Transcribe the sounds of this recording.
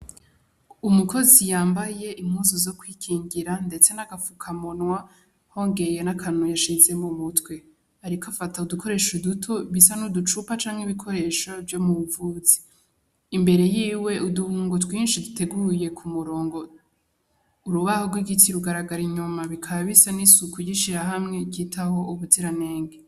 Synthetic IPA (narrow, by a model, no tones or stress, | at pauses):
umuko̞zijaːmbaje̞ʔim̥huzuzo̞kwiːkʰiːŋɡiɾande̞t͡se̞naɡafukʰamonwa | ho̞ːŋɡe̞jenakʰanujaʃize̞mumutwe̞ | aɾikoafataudukʰo̞ɾe̞ːʃudutʰo̞βisanudut͡ʃupat͡ʃaːŋheβikʰo̞ɾe̞ʃovjo̞muβuvuːz̥i̥ | imbe̞ɾe̞jiːwe̞uduhuːŋɡo̞twiːnʃidutʰe̞ɡuje̞kʰumuɾo̞ːŋɡo | uɾuβahoɡwiɡitiɾuɡaɾaɡaɾiɲumaβikʰaβaβisanisukʰujiʃiɾaɦamŋe̞kitʰaho̞uβudiɾane̞ːŋɡe